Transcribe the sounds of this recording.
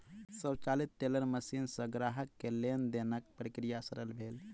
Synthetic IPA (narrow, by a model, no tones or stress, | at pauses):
səbt͡ʃalit̪ːeləɾməsinsə̃ɡɾaɦəkːelend̪enəkpɾikɾijasəɾəlbʱel